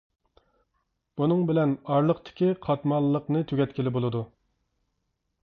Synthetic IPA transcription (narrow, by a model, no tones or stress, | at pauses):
b̥unɨŋbɪlɛnɑɾlˠəqt̪ʰɪ̥kʲiqʰɑt̪mɑllˠːəqnɨt̪ʰyɡʲɛt̪̚kʲilɪbolˠɨd̪u